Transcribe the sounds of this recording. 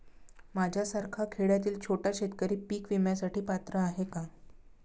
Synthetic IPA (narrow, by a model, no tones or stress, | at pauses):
mad͡ʑʱjasəɾkʰakʰeɭjat̪iːlt͡ɕʰoʈjaɕet̪kəɾiːpiːkʋimjasaʈiːpat̪ɾəaɦeka